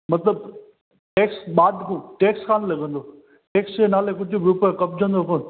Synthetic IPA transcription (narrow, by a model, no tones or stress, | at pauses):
mɐt̪ləb̚ | ʈeːksɓaːɖkũʈeːkskʰaːnlɐɡə̃nd̪oː | ʈeːksd͡ʑenaːlekʊd͡ʑʱʊbɪɾʊpekɐp̚d͡ʑə̃nd̪okoːn